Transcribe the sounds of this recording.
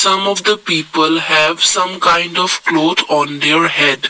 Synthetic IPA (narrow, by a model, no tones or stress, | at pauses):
sʌ̃mɔʋd̪əpiːpəlɦɛʋsʌ̃mkãɪ̃ɳɖɔʋkloːt̪ʰɔ̃ːnd̪eːɾhɛɖ